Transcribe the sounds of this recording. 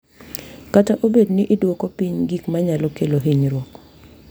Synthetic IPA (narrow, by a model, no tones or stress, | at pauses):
kataʔobedniʔɪdwokopiɲɡikmaɲalɔkeloɦiɲɾwɔk